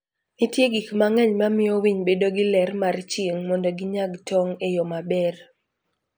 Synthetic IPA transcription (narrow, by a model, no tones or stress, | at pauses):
nɪtjeɡikmaŋɛɲmamɪowiɲbedoɡɪlɛrmart͡ʃiŋmɔndoɡɪɲaɡtɔŋejɔmabɛr